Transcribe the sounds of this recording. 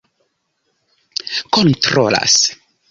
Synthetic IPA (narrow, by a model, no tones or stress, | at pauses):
kontɾo̰la̰s